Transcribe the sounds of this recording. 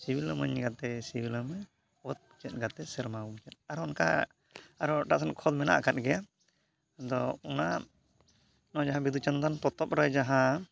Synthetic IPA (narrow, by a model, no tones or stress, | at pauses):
sibiləməɲɡat̪ɛsibiləmə | ɔt̪̚pt͡ʃɛt̪̚ˀɡat̪ɛsɛɾmawut͡ʃɛt̪̚aɾɔnka̰ː | ɾɔʈaʔsankʰɔd̪mɛna̰ʔkat̪̚ɡɛja | d̪ɔɔna | nɔd͡ʒaɦãbid̪ut͡ʃənd̪anpɔt̪ɔp̚ɾəjd͡ʒaɦã